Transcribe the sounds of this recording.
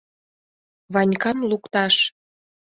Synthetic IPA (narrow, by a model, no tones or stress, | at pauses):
βɑnʲkɑmlukt̪ɑʃ